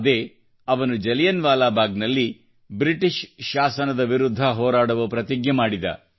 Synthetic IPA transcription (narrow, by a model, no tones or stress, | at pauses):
d̪eː | ɐʋɐnud͡ʒɐljɐnʋaːlaːbʱaːɡnɐlːi | bɾiʈiʃʃaːsɐnɐd̪ɐʋiɾud̪ʱːɐɦɔːɾaːɽɐʋupɾɐt̪iɡjɐmaːɽid̪ɐ̰